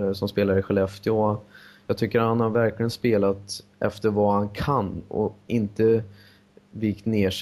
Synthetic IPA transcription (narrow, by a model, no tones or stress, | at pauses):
sɔmspeːlaɾəɧɛlɛft̪ʰjoajɑːɡ̚t̪ʰʏkːəɾɾhanhaɾvæɾklɪɡənspeːlat̪ʔɛ̰ft̪əɾvahankʰanːɔ̰ɪnt̪ə | vɪkt̪neːʂ